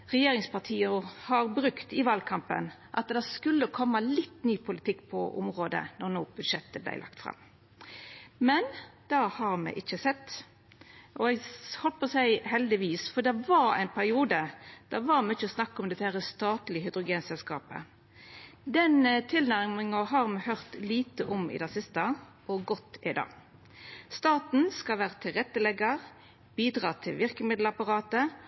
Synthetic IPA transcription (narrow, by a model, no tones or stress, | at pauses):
ʁɛjeːɾɪŋspɑʁt̪ʰiːəhɑɾbɾʉkt̪ɪʋɑːlkʰɑmpə̰nʔɑ̰t̪d̪ɛskʉlːəkʰɔmːəlɪt̪ːnyːpʰʊlɪt̪ʰɪkːpʰɔ̰ʔʊ̰mʁoːd̪ə̰nɔɾnoːb̥ʉd̪ʂɛt̪ːəblæ̰ɪlɑ̰kt̪fʁɑ̰m | mɛnd̪̥ɑhɑɾmɛ̰ʔɪçːəsɛt̪ː | ʔɔɛɡhɔlp̪̚pʰɔsæɪhɛld̪ɪʋiːsfɔd̪ɛʋɑɾæ̰ɪnpʰæɾɪuːd̪əd̪̥æʋɑɾmɛɪt͡ʃːəsnɑkːɔmd̪ɛt̪ːəhæːɾəst̪ɑːt̪lɪɦʏd̪ɾʊɡeːnsɛlskɑ̰ːpə̰ | d̪ɛnt̪ʰɪlnæʁmɪŋɑɦɑːʁmɛhœʁt̪liːt̪əʔɔmɪ̰d̪ɛsɪst̪ɑ | ɔɡɔt̪ːɪ̰d̪ɑ̰ː | st̪ɑːt̪n̩skɑlʋæːʁət̪ʰɪlʁɛt̪ːəlɛɡəʁ | b̥iːd̪ɾɑːt̪ʰɪ̰lʋɪʁkəmɪd̪l̩ɑpɑɾɑːt̪ə